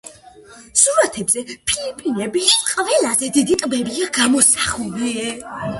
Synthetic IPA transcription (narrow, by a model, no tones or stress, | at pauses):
suɾat̪ʰɛbzɛpʰilipʼinɛbiqʼvɛlazɛd̪id̪it̪ʼbɛbiaɡamɔsaχuliɛ